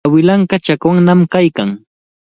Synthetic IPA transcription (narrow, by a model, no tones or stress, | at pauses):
wɪlaɴkat͡ʃakwaŋnamkajkaŋ